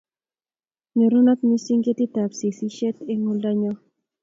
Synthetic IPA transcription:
ɲe˨ɾu˦nɔ˦t̪ni˦si˦ŋɡe˦ti˦ta˨psi˨si˦ʃe˦te˦ŋu˦la˦ɲɔ˦

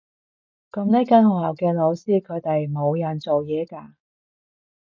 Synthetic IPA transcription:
kɐ˧mnɛː˥kɐ˥nhɔ˨˩hɐ˨wkɛː˧lo˨˧wsiː˥kʰɵ˨˧ɥt̪e˨jmo˨˧wjɐ˨nt͡so˨wjɛː˨˧kaː˧

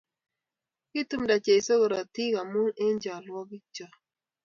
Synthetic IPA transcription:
kɪ˦tu˦mda˨t͡ʃe˨i˨so˦ɡo˨ɾa˨ti˦ka˨mu˦ne˦ɲd͡ʒa˨lwɔ˦ɡɪ˦t͡ʃɔ˨

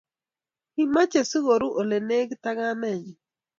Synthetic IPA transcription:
i˦ma˦t͡ʃe˨si˦ɣo˨ɾu˦ʔo˨le˨ne˦ɡta˦ŋa˦nɛ˦˨ɲi˨

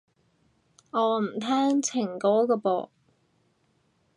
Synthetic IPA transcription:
ŋɔː˨˧m̩˨˩t̪ʰɛː˥ŋt͡sʰɪ˨˩ŋkɔː˨˥kɔː˧pɔ̰ː˨˧˨

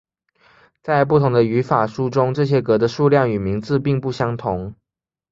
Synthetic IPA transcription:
t͡sa˥˧ɪp̬u˥˩t̪ʰʊ˧˥ŋd̪ə˧y˧˥fa˨˩ʂu˥ʈ͡ʂʊ˥ŋʈ͡ʂɤ˥˩ɕ̬jɛ˥kɤ˧˥d̪ə˧ʂu˥˧ljɑ˥˩ŋy˨˩mi˧˥ŋt͡sɹ̩˥˧pi˥˧ŋpu˥˩ɕjɑ˥ŋt̪ʰʊ˧˥ŋ

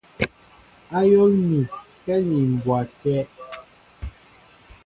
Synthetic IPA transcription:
a˦jo˦lmi˨ | kɛ˦ni˨m˨bwa˨tɛ˦ʔ

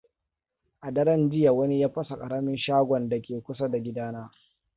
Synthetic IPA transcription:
ʔa˨dɐ˦ɾɐ˦nd͡ʒɪ˦ja˨wɐ˦ni˦jaː˦ɸɐ˦sa˨kʼɐ˨ɽɐ˦mɪ˦nʃaː˦ɡʷɔ˨nda˨kʲeː˨kʷʊ˦sa˦da˨ɡʲɪ˦daː˦naː˦

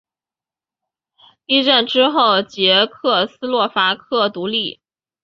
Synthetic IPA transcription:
li˥˧ʈ͡ʂə˥˩nʈ͡ʂɻ̩˥xo˥˩ʊt͡ɕjɛ˧˥kʰɤ˥˩sɹ̩˥lwɔ˥˩fa˥kʰɤ˥˩t̪u˧˥li˥˩

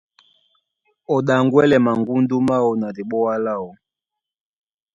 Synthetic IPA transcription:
ɔ˨ɗa˨ŋɡwɛ˦lɛ˨ma˨ŋɡu˦ndu˦ma˦wɔ˨na˨di˨ɓɔ˦wa˦la˦ɔ˨

